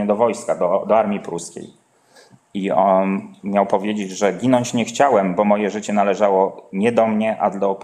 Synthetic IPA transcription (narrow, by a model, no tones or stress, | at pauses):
ɛd̪ɔvɔjskad̪ɔd̪ɔaɾmʲipɾuskʲḛj | iɔnmʲjawpɔvʲjed͡ʑed͡ʑʐɛɡʲinɔɲt͡ɕɲɛxt͡ɕawɛmbɔmɔjɛʐɘt͡ɕɛn̪alɛʐawɔɲɛd̪ɔmɲɛʔa̰d̪ɔ